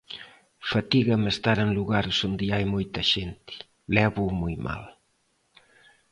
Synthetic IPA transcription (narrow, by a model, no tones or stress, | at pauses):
fat̪iɣɐmest̪aɾeŋluɣaɾsond̪ɪajmojt̪ɐʃent̪ɪ̥ | lɛβumojma̰l